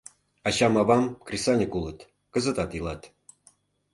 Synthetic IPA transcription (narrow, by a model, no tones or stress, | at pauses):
ɑt͡ɕɑmɑβɑmkrʲisɑnʲɤkulɤ̆t̪ | kə̆zə̆t̪ɑt̪ilˠɑt̪